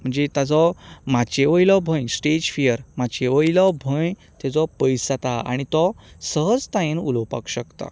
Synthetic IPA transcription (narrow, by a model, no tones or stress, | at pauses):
m̤əɳd͡zet̪ad͡zɔmat͡ɕeʋəjlɔbʱə̃jsʈed͡ʑfijəɾmat͡ɕeʋəjilɔbʱəj | t̪ɛd͡zɔpəjsat̪aa̰ɽ̃it̪ɔsəɦəd͡zt̪ãjẽnuləwpa̰kɕəkt̪a̰